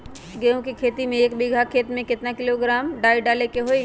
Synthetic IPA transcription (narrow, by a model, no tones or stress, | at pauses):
ɡɛõkikʰeːt̪imẽeːkbɪɡʱakʰeːt̪mẽkɪt̪nakɪloɡɾaːmɖaːiɖaːlekeɦoi